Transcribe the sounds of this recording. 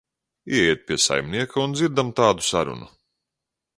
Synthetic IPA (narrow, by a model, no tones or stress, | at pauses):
iɛɛɛt̪̚pʲiɛsa̰jmnʲiɛkaund̪ziɾd̪amt̪aːd̪u̥saɾṵnu